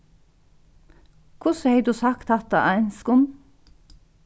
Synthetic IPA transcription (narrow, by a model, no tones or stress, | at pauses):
kʰʊsheɪd̪ʉːsɑkt̪ʰɑt̪ɑ̰ʔɑɪnskʊn